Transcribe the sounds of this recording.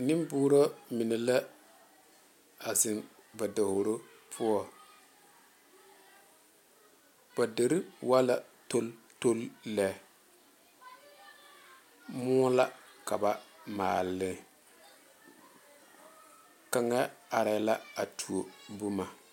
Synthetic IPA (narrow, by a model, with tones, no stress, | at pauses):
nɪ˦mbʊː˦ɾo˦mɪ˨nɛ˨la˦ | a˨zɪ˨n | ba˨da˨ho˨ɾo˦ | pʰʊ˦ɔ˦˨ | b̥a˨de˨ɾɪ˦wa˦la˦to˦l | to˦lːɛ˨ | mʊː˦la˦ka˨ba˨ma̰ː˨lːɪ˨ | ka˨ŋa˦a˨ɾa˨˦la˦a˨tʰu˨o˨bu˦ma˨